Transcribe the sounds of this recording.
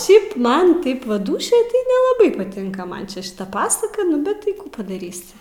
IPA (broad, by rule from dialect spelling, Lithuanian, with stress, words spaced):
ˈʃʲɛɪp ˈmɐn ˈtɐɪp ʋɐ ˈduːʃʲoːj tɐɪ nʲɛlˠɐˈbɐɪ pɐˈtʲɪŋkɐ ˈmɐn t͡ʃʲɛ ʃʲɪˈtɐ pɐsɐkɐ ˈnʊ bʲɛt ˈtɐɪ ˈkuː pɐdɐˈrʲiːsʲɪ